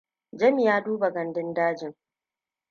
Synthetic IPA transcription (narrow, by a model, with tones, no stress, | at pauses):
d͡ʒɐ˦mi˨jaː˦duː˦ba˨ɡɐ˨ndɪ˦ndaː˦d͡ʒɪ˦˨ŋ